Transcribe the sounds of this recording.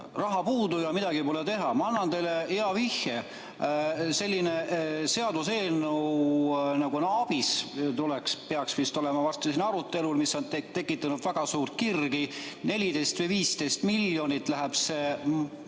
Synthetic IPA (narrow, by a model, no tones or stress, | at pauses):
rɑɦɑpuːd̪ujɑmid̪̥ɑɡ̥ipo̞let̪e̞ɦɑmɑɑnːɑnt̪e̞jleeɑvihe | se̞lʲːine̞se̞ɑd̪use̞ːnuwnɑɡunɑb̥ist̪ulekspeɑksvist̪o̞lɛmɑvɑst̪esinɑɾut̪ːˑe̞lulmisːo̞nt̪t̪e̞kːˑit̪ːˑɑnud̪væɡ̥ɑsuːrt̪̚kirɡi | ne̞lʲid̪e̞jst̪vejviːst̪e̞jst̪miljo̞nit̪ːˑlæɦeb̥se̞